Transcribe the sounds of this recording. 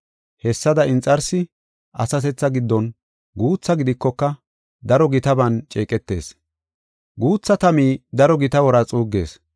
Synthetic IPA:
hɛsːɐd̪ɐɪnt͡sʼɐɾsɪ | ʔɐsɐt̪ɛt͡sːɐɡɪd̪ːɔn | ɡuːt͡sːɐɡɪd̪ɪkːɔkːɐ | d̪ɐɾɔɡɪt̪ɐbɐnt͡ʃʼeːkʼɛt̪ːe̞ːs | ɡuːt͡sːɐt̪ɐmiːd̪ɐɾɔɡɪt̪ɐwɔɾɐt͡sʼuːɡːe̞̰ːs

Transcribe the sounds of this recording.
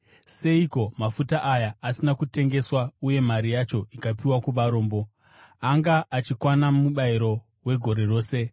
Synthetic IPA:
se̞iko̞mafutaʔajaasinakute̞ŋɡe̞swauje̞maɾijat͡ʃo̞ikapiwakuʋaɾo̞ːmbo̞ | aŋɡaʔːt͡ʃikwanamuɓaiɾo̞ | we̞ɡʱo̞ɾe̞ro̞ːse̞

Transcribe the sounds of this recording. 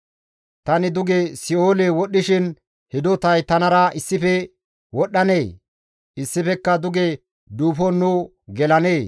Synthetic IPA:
t̪ɐnɪd̪ʊɡesɪoːlewɔɗːɪʃɪn | hɪd̪ɔt̪ɐjt̪ɐnɐɾɐɪsːɪfɛ | wɔɗːɐneː | ʔɪsːɪfɛkːɐd̪ʊɡe | d̪uːfɔnːu | ɡɛlɐneː

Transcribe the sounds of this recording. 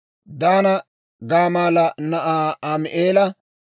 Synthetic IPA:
d̪aːnɐ | ɡaːmaːlɐnɐʔaːamɪʔeːlɐ

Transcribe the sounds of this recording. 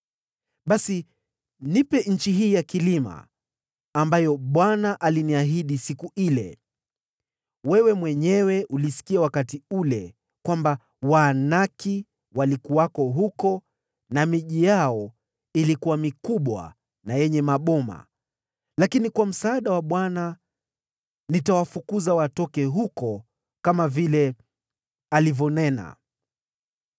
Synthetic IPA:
ɓasi | nipɛɲ̩t͡ʃiɦiːjakilima̰ː | mbajɔɓwanaʔaliniaɦiɗisikuilɛ̰ | wɛwɛmwɛɲɛwɛʔulisi̥kiawakatiulɛ | kwamba | wanaki | walikuwakɔɦukɔ | namiʄijaɔ | ilikuwamikuɓwa̰ | najɛɲɛmaɓɔma̰ | lakinikwam̩saːɗawaɓwana | nitawafukuzawatɔkɛɦukɔ | kamavilɛ | alivɔnɛna̰

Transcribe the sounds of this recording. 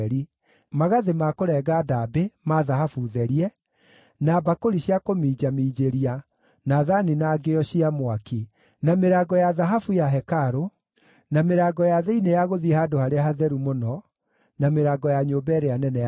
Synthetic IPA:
ɾi | maɣaðemakoɾɛːɡaːdabemaðaɦafuðɛɾiɛ | nabakoɾiɕjakomiːd͡ʑamiːd͡ʑeɾia | naðaninaɡeɔɕiamwaki | nameɾaːɡɔjaðaɦafujaɦɛkaɾo | nameɾaːɡɔjaðeinejaɣoðihadohaɾeaɦaðɛɾumonɔ | nameɾaːɡɔjaɲobɛɾeanɛnɛ

